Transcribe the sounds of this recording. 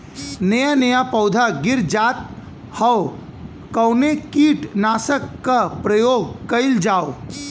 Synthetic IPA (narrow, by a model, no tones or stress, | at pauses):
nejanəjapɐʊd̪ʱaɡɪɾd͡ʒaːt̪̚ | hɐw | kɐʊnekiːʈnaːsəkːapɾɐjoːɡ̚kɐɪld͡ʒaːo